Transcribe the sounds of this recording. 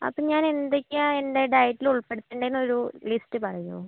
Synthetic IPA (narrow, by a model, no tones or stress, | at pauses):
ɐ̰pːoːɲaːne̞nd̪ekʲːaende̞ɖɐjʈːiluɭpeɽut̪ːeɳɖejinːo̞ɾulistːɨpɐrɐjṵ